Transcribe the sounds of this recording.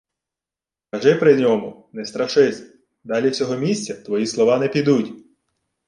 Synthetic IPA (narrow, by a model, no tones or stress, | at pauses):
kɐʒɪpɾɪnʲɔmʊnɛst̪ɾɐʃɪsʲ | d̪ɑlʲiwsʲɔɦɔmʲisʲtʲt͡sʲɐt̪ʋɔjislˠɔʋɑnɛpʲid̪utʲ